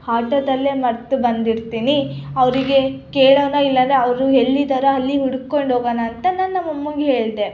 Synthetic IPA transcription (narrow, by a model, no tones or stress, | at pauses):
haːʈɐd̪ɐlːe̞mɐɾt̪ubɐnd̪iɾt̪iːniɐʋɾiɡe̞keːɭɐʋnɐilːɐnd̪ɾeɐʋɾuɦe̞ɭːid̪ɐɾɐɐlːiɦuɽukkːo̞ɳɖoːɡɐnɐːnt̪ɐnaːnːɐmːɐmːuŋɡeɦe̞ːɭd̪e̞